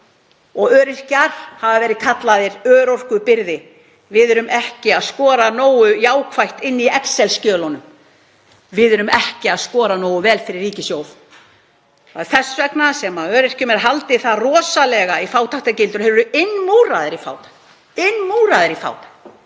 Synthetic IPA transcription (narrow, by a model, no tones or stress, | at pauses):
ɔɣœːɾɪr̥caɾ̥havavɛːɾɪkʰat̪laðɪɾœːɾowr̥kʏpɪɾðɪ | vɪðœɾʏmʔɛhcɪaðskɔːɾanoːwʏjaːwkʰvajht̪ɪnːiɛksɛlscœːlɔnʏm | vɪðɛɾʏmɛhcɪaðskɔːɾanoːwʏvɛːlfɪɾɪrːiːcɪsjoːwð | θaɾθɛsvɛknasɛmaœːɾɪr̥cʏmɛɾ̥ɦalt̪ɪθaðrɔːsalɛɣaifaːwt̪ʰaht̪acɪlt̪ʏɾɦɛɾʏɾʏɪnːmuːɾaðɪɾifa̰ːwt̪ḁ | ɪnːmuːɾaðɪɾifa̰ːwt̪ḁ